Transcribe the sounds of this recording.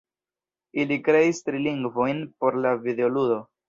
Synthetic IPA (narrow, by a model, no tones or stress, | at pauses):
ilikɾe̞istɾiliŋɡvo̞jnpo̞ɾlavideoludo̞